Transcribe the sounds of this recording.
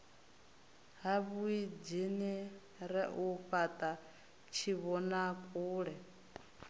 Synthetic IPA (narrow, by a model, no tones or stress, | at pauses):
ɦaβuid͡ʒini | ɾɛʔuɸat̪ʼa | t͡ʃʰiβɔnakʼuːɺɛ